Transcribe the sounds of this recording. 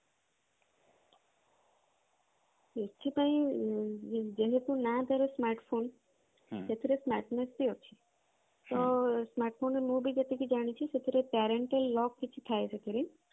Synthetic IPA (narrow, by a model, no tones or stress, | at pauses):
et͡ʃʰipaĩ | d͡ʒeɦet̪ũnat̪aɾesmaɾʈpʰon | et̪ʰiɾesmaʈnest̪iɦot͡ʃʰi | t̪osmaɾʈpʰonemũbʱid͡ʒet̪ikid͡ʒaɽ̃it͡ʃʰiset̪ʰiɾepɛɾeɳʈəlːɔkːit͡ʃʰi̥t̪ʰajsʰekiɾi